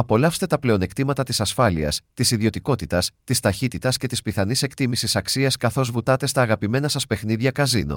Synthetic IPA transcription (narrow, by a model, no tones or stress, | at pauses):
ɐpo̞lɐfst̪e̞t̪ɐple̞o̞ne̞kt̪imɐt̪ɐt̪i̥sɐsfɐliɐ̰st̪isiðio̞t̪iko̞t̪it̪ɐst̪ist̪ɐçit̪it̪ɐsce̞t̪ispiθɐnise̞kt̪imisisɐksiɐskɐθo̞zvut̪ɐt̪e̞st̪ɐːɣɐpime̞nɐsɐspe̞xniðʝɐkɐzino̰